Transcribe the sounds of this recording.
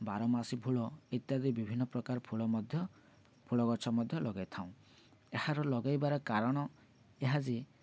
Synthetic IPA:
baɾɔmasibʰʱuɭɔit̪jad̪ibibʱinːɔpɾɔkaɾɔpʰuɭɔmd̪ʱjɔ | pʰuɭɔɡɔt͡ʃʰɔmɔd̪ʱjɔlɔɡajt̪ʰaw̃ | ehaɾɔlɔɡajbaɾɔkaɾɔɽ̃ɔ | eɦad͡ʒi

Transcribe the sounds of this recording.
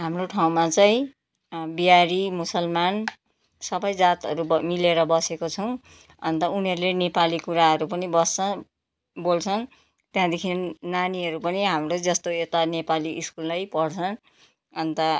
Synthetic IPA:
ɦamroʈʰaw̃mat͡saĩ | bijaɾimusʌlman | sʌbʌjd͡zat̪ʌɾumileɾʌbʌsekot͡sʰʌw̃ | ʌ̰nt̪ʌuniɦʌɾulenepalikuɾaɦʌɾupʌnibʌst͡sʌ | bolt͡sʰʌn | t̪jãd̪ekʰinnnaniɦʌɾupʌniɦamrod͡zʌst̪oet̪anepaliʔiskullajpʌɽt͡sʰʌn | ʌnt̪ʌ

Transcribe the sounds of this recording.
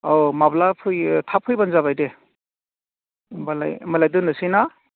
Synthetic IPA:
omablapʰɯjtʰapʰɯjbanzabajde | bala̰jmalajdɯnɯsina

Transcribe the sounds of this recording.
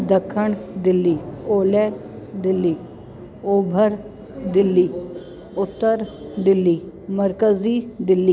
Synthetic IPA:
d̪əkʰːəɳd̪ɪlːiːoːleː | d̪ɪlːiː | oːbʱəɾ | d̪ɪlːiː | ʊt̪ːəɾd̪ɪlːiːməɾkəziːd̪ɪlːiː

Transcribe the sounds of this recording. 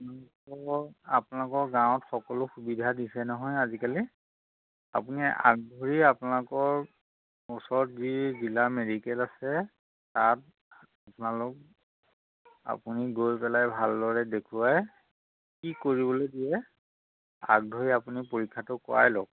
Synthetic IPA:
apnalukɔapʊnalʊkɔɹɡãw̃ɔtxɔkɔlʊxubidʱadisɛnɔɦɔjazikali | a̰punia̰k̚dʱoɹiapʊnalʊkɔɹ | ʊsɔtzizilamedikɛlasɛ | tat̚ | apʊnalʊk̚ | a̰puniɡojpɛlajbʱaldɔɹɛdekʰuwaj | kikoɹibɔlodijɛ | a̰k̚dʱoɹiapunipoɹikʰːatʊkʊ̰a̰jlɔk̚

